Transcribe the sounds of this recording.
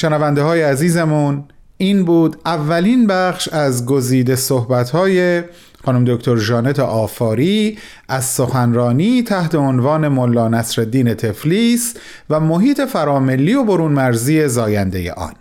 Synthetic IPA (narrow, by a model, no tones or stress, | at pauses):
ʃenævænd̪eɦɒːjeæziːzemun | iːnbuːd̪ævːælinbæχʃæzɡo̞ziːd̪e̞sohbæt̪ʰhɒːje̞ | xɒːnumd̪okʰt̪ʰoɾʒɒːne̞t̪ʰeʔɒːfɒːɾiː | æzso̞xænɾɒːniːt̪ʰæht̪ʰe̞onvɒːne̞molːɒːnæsɾed̪ːiːne̞t̪ʰe̞fliːs | væmo̞ɦiːt̪ʰe̞fæɾɒːme̞lːiːjoboɾuːnmæɾziːe̞zɒːjænd̪e̞̰jḛʔɒ̰ːn